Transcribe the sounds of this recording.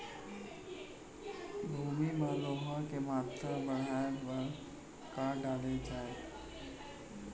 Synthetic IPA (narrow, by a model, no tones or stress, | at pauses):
bʱuːmimə̃loɦə̃kemaːt̪ɾəbəɽ̤aːjʋəɾ | kaɖaːled͡ʒaːe